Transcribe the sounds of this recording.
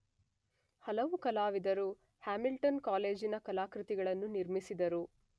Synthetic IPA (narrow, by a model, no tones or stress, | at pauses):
hɐlɐʋukɐlaːʋid̪ɐɾu | haːmilʈɐnkaːle̞ːd͡ʒinɐkɐlaːkɾut̪iɡɐɭɐnːuniɾmisid̪ɐɾu